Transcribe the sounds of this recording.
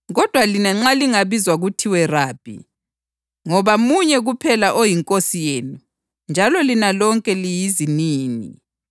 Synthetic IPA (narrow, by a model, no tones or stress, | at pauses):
ɣɔd̥ʱwalinaŋ͡ǁaliŋaβizwaɣutʰiwɛraːb̥ʱḭ | ŋɔβamuɲɛɣupʰɛlaʔojiŋkʼosijeːnu | nd͡ʒʱalɔlinalɔŋkʼɛlijiziniːnḭ